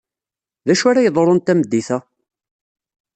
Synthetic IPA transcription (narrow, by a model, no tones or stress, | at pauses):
ðæʃaɾajəðˤɾˤont̪æməd̪ːiθæ